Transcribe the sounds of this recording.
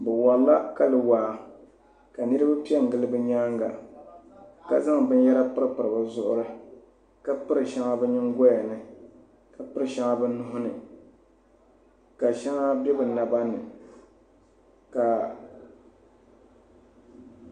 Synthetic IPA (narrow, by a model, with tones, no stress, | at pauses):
bɨ˨wa˨lla˦ka˦lɨ˨waː˨ | ka˨nɨ˦ɾɨ˦ba˦pi˦ɛ˦˨ŋ̩˨ɡɨ˦lɨ˦bɨ˦ɲaː˦ŋɡa̰˨ | ka˦za˦ŋbɨ˦n˦jɛ˦ɾa˦pɨ˦ɾɨ˦pɨ˨ɾɨ˨ba˨zʊ˦ʔʊ̰˦ɾɨ˦ | ka˦pɨ˦ɾɨ˨ʃa˦ŋa˦bɛ˦ɲɪ˦ŋɡɔ˦ja˨nɨ˨ | ka˨pɨ˦ɾɨ˨ʃa˦ŋa˦bɨ˦nʊ˦ɦʊ˦nɨ˨ | ka˨ʃɛ˦ŋa˦bɛ˦bɨ˨na˨ba˦nɨ˨ | ka˨